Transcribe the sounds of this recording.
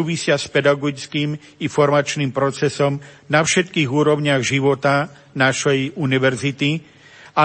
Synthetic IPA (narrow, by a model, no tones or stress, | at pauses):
uːʋisɪaspɛd̪aɡɔskiːm | ifɔɾmat͡ʃniːmpɾɔt͡sɛsɔmnafʃɛt̪kiːɣuːɾɔʊɲɪaɣʒiʋɔt̪a | naʃɛjuniʋɛɾzit̪i | a